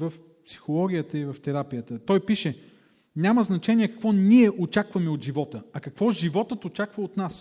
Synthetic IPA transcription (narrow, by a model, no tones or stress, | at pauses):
vəf | psi̥xolˠɔɡʲijət̪əivɐft̪ɛɾapijət̪ət̪ɔjpiʃɛ | nʲaməznɐt͡ʃɛnʲiɛkɐ̥kvɔniɛʔot͡ʃakvɐmɛod̪ʒivɔt̪əɐkɐkvɔʒivɔt̪ət̪ot͡ʃakvəot̪nas